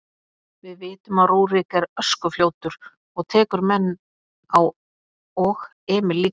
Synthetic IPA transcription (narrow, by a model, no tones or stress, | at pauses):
vɪðvɪːt̪ʏmaðruːwrɪkɛɾœskʏfljoːwt̪ʏɾ̥ | ɔɣt̪ʰɛːkʏɾmɛnː | aw | ɔɣ | ɛːmɪliː